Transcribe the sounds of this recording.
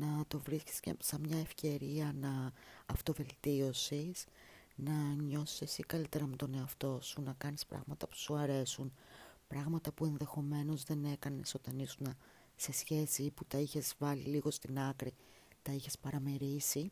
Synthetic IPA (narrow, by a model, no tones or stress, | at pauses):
nɐt̪o̞vɾisci̥scḛsɐmɲɐe̞fce̞ɾiɐnɐːft̪o̞ve̞lt̪io̞sis | nɐɲo̞si̥sesikɐlit̪e̞ɾɐmet̪o̞ne̞ɐft̪o̞sunɐkɐnispɾɐ̰ɣmɐt̪ɐpu̥suɐɾe̞sunpɾɐɣmɐt̪ɐpue̞nðe̞xo̞me̞no̞zðe̞ne̞kɐne̞so̞t̪ɐnisunɐ | se̞sçe̞siːput̪ɐiçe̞zvɐliliɣo̞st̪inɐkɾi | t̪ɐiçe̞spɐɾɐmeɾisi